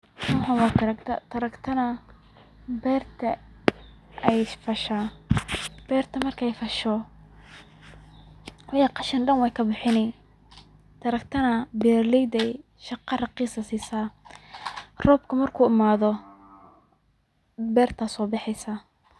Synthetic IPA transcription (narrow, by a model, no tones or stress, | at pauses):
nʊːħawɑːt̪ɐɾɐkt̪ʰɐ̰t̪ʰɐɾɐkt̪ʰɐnɐ | bɛːrt̪ʰɐ | ʔɛjfɐʃaː | b̥ɛːrt̪ʰɐmɐrkʰɛjfɐʃɔ | wɑjɑqɑʃɐnɖɐnwɛjkʰɐbɪħɪnɛ | t̪ʰɐɾɐkt̪ʰɐnɐbɛːrlɛjd̪ɛj | ʃɑqɑrɑqiːsɐsiːsaː | rɔːbkʰɐmɐrkʰuːɪmaːðɔ | bɛːrt̪ʰɐsɔːbɑħɛjsa